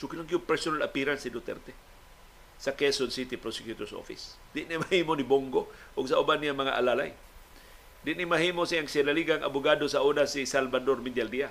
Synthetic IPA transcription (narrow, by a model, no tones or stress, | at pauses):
sʊkilaŋɡijʊŋpɛɾsonalapiɾansidot̪ɛ̰rt̪e | sakesonsit̪ipɾosɛkjut̪oɾso̰fḭs | d̪ɪʔnimahimoniboŋɡoʔʊɡ̚saubanːijamaŋa̰ʔalala̰j | d̪ɪʔnimaɦimosiaŋsialaliɡaŋʔa̰bʊɡadosaʔunasisalbadormid̪ialdia